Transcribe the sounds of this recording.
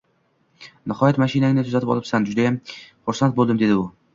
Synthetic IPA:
nɪhɒjat̪maʃinaɪŋnɪt̪ʰʊzat̪ɪpɒ̰lˠɪpsand͡ʒʊd̪ajamχʊɾsant̪̚bolˠd̪ɪmd̪e̞d̪ɪʊ

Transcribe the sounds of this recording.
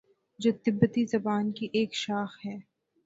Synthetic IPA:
d͡ʒoːt̪ɪbːət̪izɐbaːnkiʔeːkʃaːxhɛː

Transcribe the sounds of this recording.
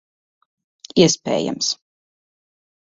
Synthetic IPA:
iɛspʲɛ̰ːja̰ms

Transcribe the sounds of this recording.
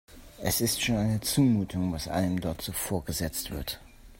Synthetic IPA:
ʔɛsɪstʃoːnaɪnət͡suːmuːtʰʊŋvasʔa̰lnəmdɔɐtz̥ofoːɐɡəzɛt͡stv̥ɪ̰ɐt

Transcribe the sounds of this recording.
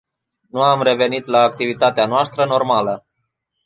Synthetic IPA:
nuamre̞ve̞nit̪laːkt̪ivit̪at̪eanoast̪ɾəno̞rmalə

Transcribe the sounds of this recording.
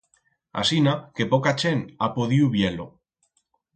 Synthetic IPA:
a̰sinake̞pokat͡ʃenapoðiuβjelo

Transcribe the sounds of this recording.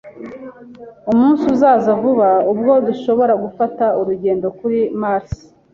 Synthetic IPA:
umuːnsuzaːzavuβaubɡo̞duʃo̞βo̞ɾaɡufatauɾuɟe̞ːndo̞kuɾimaɾs

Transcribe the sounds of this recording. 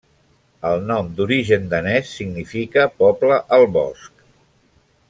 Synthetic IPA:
əlˠnɔmd̪uɾiʒənd̪ənɛsːiɡnifikəpɔpləʔəlˠβɔ̰sk

